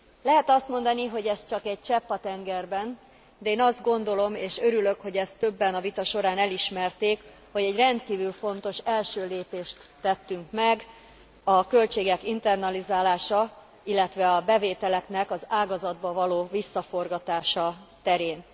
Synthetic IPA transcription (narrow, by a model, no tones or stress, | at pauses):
lɛɦɛt̪ɒst̪mo̞nd̪ɒniɦo̞ɟɛst̪̚t͡ʃɒkɛɟ̚t͡ʃɛpːɒt̪ɛŋɡɛrbɛn | d̪ɛeːnɒzd̪̚ɡo̞n̪d̪o̞lo̞meːʃøɾylø̞kho̞ɟɛst̪ːø̞bːɛnɒvit̪ɒʃo̞ɾaːnɛliʃmɛrt̪eːk | ho̞ɟɛɟrɛnt̪kiːvylfo̞nt̪o̞ʃɛlʃøːleːpeːʃt̪ːɛt̪ːyŋkmɛɡ | ɒkø̞lt͡ʃeːɡɛkint̪ɛrnɒlizaːlaːʃɒ | ilːɛt̪ʋɛɒbɛveːt̪ɛlɛknɛkɒzaːɡɒzɒd̪̚bɒvɒloːvisːɒfo̞rɡɒt̪aːʃɒt̪ɛɾeːn